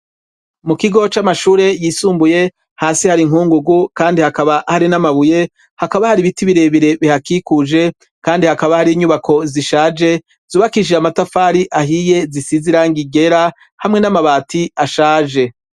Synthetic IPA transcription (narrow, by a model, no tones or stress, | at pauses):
mukiɡo̞t͡ʃamaʃuːɾe̞jiːsuːmbuje̞ | haːsihaɾiŋuːŋɡuɡukaːndihakaβahaɾinamaβuje̞ | hakaβahaɾiβitiβiɾe̞βiɾe̞βihakikuʒe̞ | kaːndihakaβahaɾiːɲuβakʰo̞ziʃaːd͡ʒe̞ | z̥uːβakiʒeamatafaːɾiʔaɦije̞zisiziɾaːŋɡiɡe̞ɾa | hamŋe̞namaβaːtʰiaʃaːʒe̞